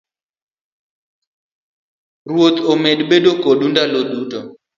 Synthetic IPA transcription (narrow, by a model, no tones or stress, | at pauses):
rwot̪omedɓeɗokoɗundaloɗutɔ